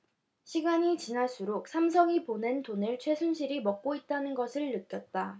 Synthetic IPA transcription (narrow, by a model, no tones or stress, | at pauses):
ɕʰiɡaɲit͡ɕinas͈ʰuɾok̚sʰams̬ʰʌŋipone̞ntonɯɭt͡ɕʰwe̞sʰunɕʰiɾimʌk̚k͈oit̚t͈anɯnɡʌsʰɯɭːɯk͈jʌt̚t͈a